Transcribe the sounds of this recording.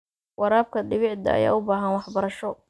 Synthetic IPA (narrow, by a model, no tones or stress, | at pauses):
wɑɾaːb̚kʰɐɖɪβɪʕd̪ɐ̰ːja̰ːʊbaːɦɐnwɑħbɐɾɐʃɔ